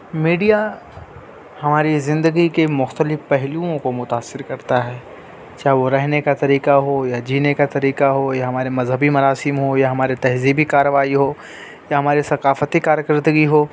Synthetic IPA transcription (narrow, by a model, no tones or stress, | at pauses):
miːɖija | hɐmaːɾizɪ̃nd̪əɡikemʊxt̪əlɪfpɛɦluõkomʊt̪aːsːɪɾkɐɾt̪aɦɛː | t͡ʃaːɦeʋoɾɛɦnekat̪ɐɾiːkaɦojad͡ʒiːnekat̪ɐɾiːkaɦojaɦɐmaːɾemɐzɦəbimɐɾaːsimɦojaɦɐmaːɾit̪ɐɦziːbikaːɾəʋaːiɦoː | jaɦɐmaːɾisɐqaːfət̪ikaːɾjəkəɾd̪əɡiɦoː